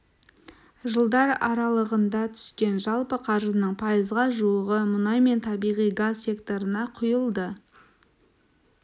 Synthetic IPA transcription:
ʒəlˠd̪ɑɾɑɾɑlˠəʁənd̪ɑt̪ʰʏ̥skʲe̞nʒɑlˠpəqʰɑɾʒənəɴpʰɑjəzʁɑʒuəʁəmʊnɑjme̞nt̪ʰɑbijʁijɡazsʲe̞kt̪o̞ɾənɑqʰʊjəlˠd̪ə

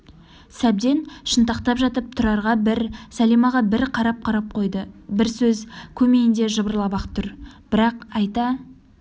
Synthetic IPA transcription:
sæb̚d̪e̞nʃənt̪ɑqt̪ɑpʒɑt̪əp̚t̪ʰʊɾɑɾʁɑbɪɾsælimɑʁɑbɪɾqʰɑɾɑp̚qʰɑɾɑp̚qʰo̞jd̪əbɪɾsɵzkʲʰɵme̞jɪnd̪e̞ʒəbəɾlˠɑbɑqt̪ʰʊɾb̥ɪɾɑqɑjt̪ɑ

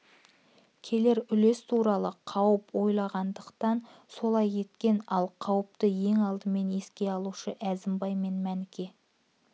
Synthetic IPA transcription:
kʲʰe̞le̞ɾʏle̞st̪ʰuɾɑlˠəqʰɑwəpwo̞jlˠɑʁɑnd̪əqt̪ɑnso̞lˠɑjːe̞t̪kʲe̞nɑlˠqʰɑwəp̚t̪əje̞ŋɑlˠd̪əme̞ne̞skʲe̞ɑlˠuʃəʔæzɪmbɑjme̞nmænɪkʲe̞

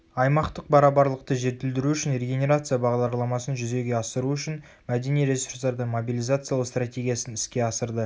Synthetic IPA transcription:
ɑjmɑqt̪əq̚bɑɾɑbɑɾlˠəq̚t̪əʒe̞t̪ɪld̪ɪɾuʏʃɪnreɡʲe̞nʲe̞ɾat̪sɨjabɑʁd̪ɑɾlˠɑmɑsənʒʏze̞ɡʲe̞ɑsəɾuʏʃɪn | mæd̪e̞nijɾe̞sursd̪ɑɾd̪əɴmobilʲˠijzat̪sɨjalˠəqst̪rat̪ʲe̞ɡʲijasənɪskʲe̞ɑsəɾd̪ə

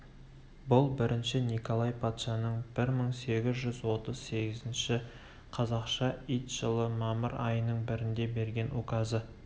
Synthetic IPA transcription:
bʊlˠbɪɾʔɪnʃɪniko̞lˠɑjpʰɑt̪ʃɑnəɴb̥ɪɾməɴse̞ɡʲɪzʒʏzwo̞t̪əzse̞ɡʲɪzɪnʃɪ | qʰɑzɑqʃɑijt̪ʒəlˠəmɑməɾɑjənəɴbɪɾɪnd̪e̞be̞ɾɡʲe̞nukɑzə

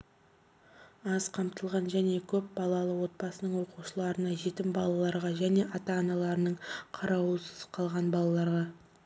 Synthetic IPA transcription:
ɑzqʰɑmt̪əlˠʁɑnʒæne̞kʲʰɵp̚bɑlˠɑlˠəwo̞t̪̚bɑsənəɴwo̞quʃəlˠɑɾənɑʒe̞t̪ɪmbɑlˠɑlˠɑɾʁɑʒæne̞ʔɑt̪ɑːnɑlˠɑɾənəɴqʰɑɾɑwəsə̥sə̥qʰɑlˠʁɑnbɑlˠɑlˠɑɾʁɑ

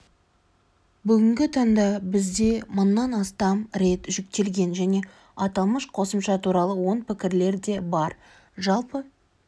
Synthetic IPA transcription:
bʏɡʲɪŋɡʲɪt̪ʰɑŋd̪ɑbɪzd̪e̞mʊnːɑnɑst̪ɑmɾe̞t̪ʒʏk̚t̪e̞lɡʲe̞nʒæne̞ | ɑt̪ɑlˠməʃqʰo̞səmʃɑt̪ʰuɾɑlˠəwo̞ɴpɪkʲɪɾle̞ɾd̪e̞bɑɾ | ʒɑlˠpə

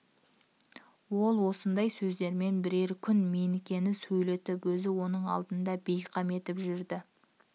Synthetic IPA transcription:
wo̞lˠwo̞sənd̪ɑjsɵzd̪e̞ɾme̞nbɪɾe̞ɾkʲʰʏnme̞nkʲe̞nɪsɵjle̞t̪ɪpwɵzɪwo̞nəɴɑ̰lˠd̪ənd̪ɑbejqʰɑme̞t̪ɪpʒʏɾd̪ɪ

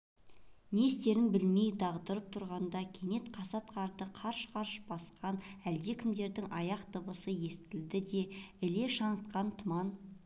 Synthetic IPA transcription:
nest̪e̞ɾɪnbɪlme̞jd̪ɑʁd̪əɾəp̚t̪ʰʊɾʁɑnd̪ɑkʲʰe̞ne̞t̪qʰɑsɑt̪qʰɑɾd̪əqʰɑɾʃqʰɑɾʃb̥ɑsqɑnæld̪e̞kʲʰɪmd̪e̞ɾd̪ɪŋʔɑjɑqt̪əbəsəje̞st̪ɪld̪ɪd̪e̞ɪle̞ʃɑɴət̪qɑnt̪ʰʊmɑn

